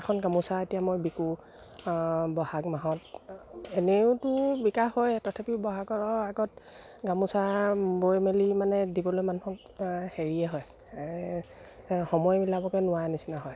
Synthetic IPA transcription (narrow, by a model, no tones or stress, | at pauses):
ɛkʰɔnɡamusaetijamojbiku | bɔhaɡmaɦɔt | eneʊtʊbikaxːojtɔtʰapibɔɦaɡɔɹɔaɡɔt | ɡamusabojmelimanɛdibɔlojmanuhɔk | heɹiɛɦɔj | hɔmɔjmilabɔkɛnʊwanisinaɦɔj